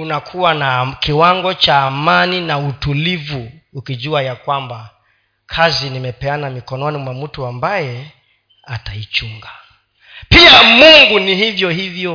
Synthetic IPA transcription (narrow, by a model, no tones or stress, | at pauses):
unakʰuwanakiwaŋɡɔt͡ʃaːmaninautulivuːkiʄuajakwamba | kʰazinimɛpɛanamikɔnɔnimwam̩tuambajɛ | atait͡ʃuŋɡa | piamuŋɡunihivjɔhivjɔ